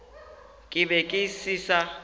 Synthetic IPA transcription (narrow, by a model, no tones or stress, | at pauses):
kʼɪbɛkʼɪsisa